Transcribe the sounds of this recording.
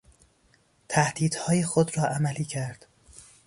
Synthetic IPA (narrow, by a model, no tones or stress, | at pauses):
t̪ʰæhd̪̥iːd̪̥hɒːjexod̪ɾɒːʔæmæliːcʰæɾd̪̥